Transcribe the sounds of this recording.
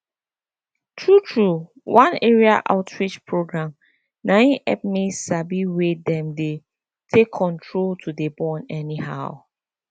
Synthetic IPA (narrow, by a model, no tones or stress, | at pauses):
tʰɹutʰɹu | wãneɹia̰ʔa̰ʊtʰɹit͡ʃpʰɹoɡɹãm | nãʔɛp̚messabiwedɛ̃mde | tʰekʰːɔ̃ntʰɹoltʰudebɔ̃nɛniha̰ʊ